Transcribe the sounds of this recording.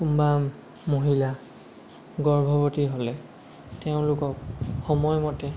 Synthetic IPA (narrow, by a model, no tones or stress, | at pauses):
kumba | moɦila | ɡɔɹbʱɔbotiɦolɛ | teʊ̃lʊkɔk̚xɔmɔjmɔtɛ